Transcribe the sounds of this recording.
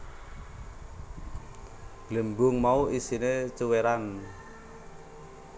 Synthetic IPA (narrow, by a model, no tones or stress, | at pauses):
ɡ̥ləmbʊŋmauʔisinet͡ʃuweɾan